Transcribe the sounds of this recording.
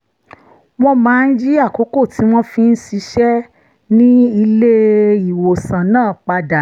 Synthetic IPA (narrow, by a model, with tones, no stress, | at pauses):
w̃ɔ̃˦mãː˨˦n̩˦d͡ʒi˦a˦˨ko˨˦ko˦˨ti˨˦w̃ɔ̃˦fĩ˦˧n̩˦ʃi˧˦ʃɛ˦ | nĩ˦i˧le˦i˨wo˨sã˨nãː˦˨k͡pa˧da˨